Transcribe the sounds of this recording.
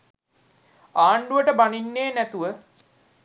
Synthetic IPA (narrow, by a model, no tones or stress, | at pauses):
aːɳɖuʋəʈəbaninːeːnæt̪uʋə